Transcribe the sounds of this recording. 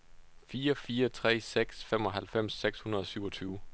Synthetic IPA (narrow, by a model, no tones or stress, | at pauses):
fiːɐfiːɐt͡sʰʁɛ̰ːseɡ̥sfemɒ̽ɦælfem̰sːeɡ̥shunɐðˠɒ̽syʊɒ̽t͡sʰyːʊ